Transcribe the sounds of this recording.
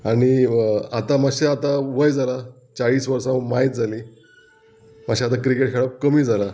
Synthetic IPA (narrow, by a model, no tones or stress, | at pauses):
aɽ̃iat̪amaɕeat̪aʋəjd͡zala | t͡saɭiːsʋəɾsãmait̪̚d͡zʱaliː | maɕiat̪akɾikeʈ̚kʰeɭap̚kəmiːd͡zala